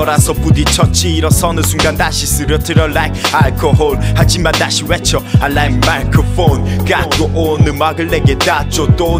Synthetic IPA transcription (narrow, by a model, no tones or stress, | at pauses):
ɔɾasɔpud̪it͡ɕʰɔt͡ɕiɾɔsɔnɯsuŋɡand̪aɕisɯɾɔt̪ʰɯɾɔlajk̚alkʰoɦolhad͡ʑimad̪aɕiwɛt͡ɕʰɔalajmakʰofonkakoʔonɯmaɡɯleɡet̪at͡ɕot̪o